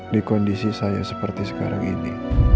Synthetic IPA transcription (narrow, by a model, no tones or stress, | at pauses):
dikɔndisisaja̰səpərt̪isə̥ka̰ɾa̰ŋḭni